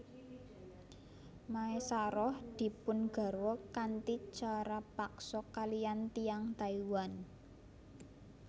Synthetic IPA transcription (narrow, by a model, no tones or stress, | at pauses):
maesaɾɔhd̪̥i̤pʊnɡ̥a̤ɾwɔkant̪it͡ʃaɾapaksɔkalijant̪ijaŋt̪aiwan